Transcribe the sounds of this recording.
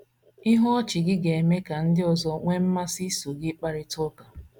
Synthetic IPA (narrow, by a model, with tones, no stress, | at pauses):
i˦ɦɔ˦ɔ˦t͡ʃɪ˨ɡɪ˦ɡe˨me˦ka˨n̩˦dɪ˦ɔ˨zɔ˦ŋʷe˦m̩˦ma˦si˦so˨ɡɪ˦k͡pa˦ɾɪ˦tʊ˦ka˨